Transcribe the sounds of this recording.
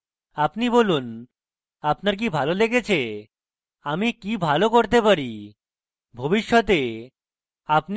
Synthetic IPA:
apnibolun | apnaɾk̬ibʱaloleɡet͡ɕʰe | amikibʱalokoɾt̪epaɾi | bʱobiʃːɔt̪e | apn

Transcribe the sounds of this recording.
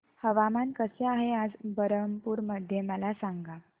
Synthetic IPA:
həʋamankəseaɦead͡zbəɾəmpuːɾməd̪ʱjeməlasaŋɡa

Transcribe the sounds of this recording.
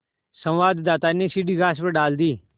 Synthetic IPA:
sə̃mʋaːd̪d̪aːt̪aːneːsiɖiːɡaːs̬pəɖaːld̪iː

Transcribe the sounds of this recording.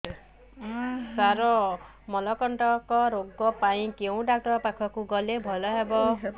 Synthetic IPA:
saɾɔ | mɔlɔkɔɳʈɔkɔɾoɡːɔpaĩkew̃ɖak̚ʈɔɾpakʰɔkuɡɔlebʱɔlɔɦebɔ

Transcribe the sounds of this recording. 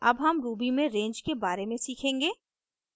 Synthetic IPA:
ɐbɦɐmɾuːbimẽɾẽːɲd͡ʒkebaːɾemẽsiːkʰẽːŋɡeː

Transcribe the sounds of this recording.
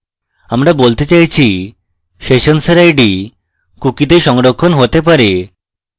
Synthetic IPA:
amɾabolt̪et͡ɕajt͡ɕʰi | ʃeʃonsɾajɖi | kukid̪eɾʃɔŋɾokʰːonɦot̪epaɾe

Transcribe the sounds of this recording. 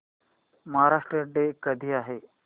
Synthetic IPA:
məɦaɾaʂʈɾəɖekəd̪ʱiːaɦe

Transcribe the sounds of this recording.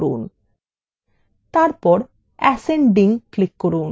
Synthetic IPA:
ɾun | t̪aɾpɔɾ | ɛseɳɖiŋklikːoɾun

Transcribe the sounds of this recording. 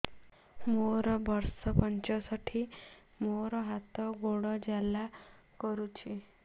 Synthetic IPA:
moɾɔbʱɔɾsɔpɔɲt͡ɕɔsaʈʰi | moɾɔɦat̪ɔɡoɽɔd͡ʑala | kɔɾut͡ʃʰi

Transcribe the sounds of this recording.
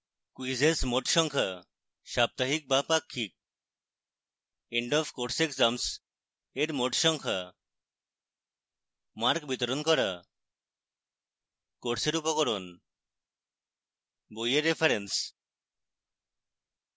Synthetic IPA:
kwizesmoʈʃɔŋkʰa | ʃap̚t̪aɦik̚bapakʰːik̚ | eɳɖɔfkoʈsekzams | eɾmoʈʃɔŋkʰa | maɾkbit̪ɔɾonkɔɾa | koʈseɾupɔkɔɾon | bojeɾepʰaɾens

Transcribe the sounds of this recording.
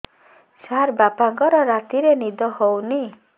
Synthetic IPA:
saɾbapaŋkɔɾɔɾat̪iɾenid̪ɔhowni

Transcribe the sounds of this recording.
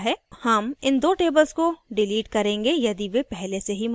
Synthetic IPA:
ɦɛːhɐmɪnd̪oːʈeːbəlskoɖɪliːʈkɐɾẽːŋɡejɐd̪iʋepɛɦleseɦim

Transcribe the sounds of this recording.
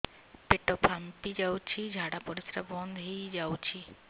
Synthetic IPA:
peʈopʰampid͡ʑawt͡ɕʰid͡ʑʱaɽapoɾisɾabɔnd̪ʱɦijd͡ʑawt͡ɕʰi

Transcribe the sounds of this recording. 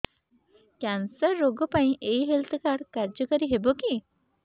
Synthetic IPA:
t̪jãnt͡səɾoɡəpãĩʔeiɦelt̪ʰəkaɽkaɾd͡ʑəkəɾiɦeboki

